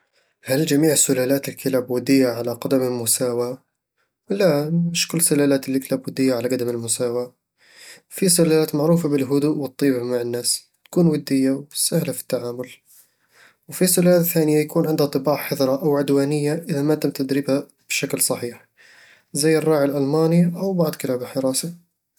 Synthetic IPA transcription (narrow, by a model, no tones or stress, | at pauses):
hald͡ʒamiːʕsʊlaːlaːt̪ɪlkɪlabwʊd̪ɪjːaʕalaqɑd̪amɪlmʊsaːwa | lamɪʃkʊlːsʊlaːlaːt̪ɪlːɪklabwʊd̪ːɪjːaʕalaɡad̪amɪlmʊsaːwa | fisʊlalaːt̪maʕɾuːfabɪlɦʊd̪uʔwɨt̪ˤːiːbmaʕɪnːaːs | t̪ḁkuːnwɪd̪ːɪjːawsahlafi̥t̪ːaʕaːmʊl | wfisʊlalaːt̪θaːnɪjːajakuːnʕɪnd̪hat̪ˤːɨbɑːʕħɪðˤɾˤɑʔawʕʊd̪waːnɪjːaʔɪðamat̪amt̪ad̪ɾiːbha | b̥ʃaklsˤɑħiːħ | zajːɪrˤːɑːʕɪlʔalmaːniʔawbɑʕd̪ˤkɪlaːbɪlħɪɾˤɑːsa